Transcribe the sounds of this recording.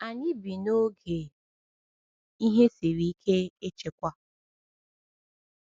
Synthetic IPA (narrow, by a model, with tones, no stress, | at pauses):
a˨ɲi˦bi˨no˦ɡe˨ | i˦ɦe˦si˨ɾi˦kʰe˦e˦t͡ʃe˨kʷa˦